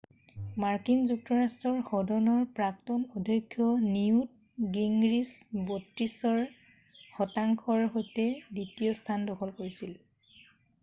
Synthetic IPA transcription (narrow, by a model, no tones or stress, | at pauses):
maɹkinzuk̚tɔɹastɹɔɹxɔdɔnɔɹpɹak̚tɔnɔdʱɔkʰːjɔniut̚ | ɡiŋɡɹisbotɹisɔɹ | xɔtaŋkʰɔɹɦojtɛditiɔstʰandɔkʰɔlkoɹisil